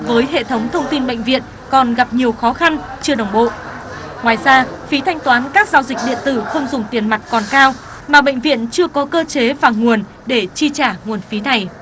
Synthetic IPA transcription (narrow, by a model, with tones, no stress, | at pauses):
vəː˨˦jɦḛ˧˨t̪ʰə˨˦wŋ͡mt̪ʰə˧wŋ͡mt̪i˧nɓə̰˧˨jŋ̟vḭ˧˨ən | kɔ˨˩nɣa˨˩p̚ɲi˨˩əwxɔ˨˦xa˧n | t͡ɕɨ˧əɗə˨˩wŋ͡mɓo̰˧˨ | ŋwaː˨˩jzaː˧fi˨˦t̪ʰa˧jŋ̟t̪waː˨˦nkaː˦˥k̚zaː˧wzi˨˩k̚ɗḭ˧˨ənt̪ɨ˧˩xə˧wŋ͡mzʊ˨˩ŋ͡mt̪i˨˩ənma˨˩t̚kɔ˨˩nkaː˧w | maː˨˩ɓə̰˧˨ŋ̟vḭ˧˨ənt͡ɕɨ˧əkɔ˨˦kəː˧t͡ɕe˨˦vaː˨˩ŋu˨˩ən | ɗe˧˩t͡ɕi˧t͡ɕaː˧˩ŋu˨˩ənfi˨˦na˨˩j